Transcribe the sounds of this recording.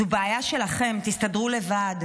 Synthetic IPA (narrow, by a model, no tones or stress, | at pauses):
ubaːjaʃe̞laχe̞mt̪ist̪adʁule̞vad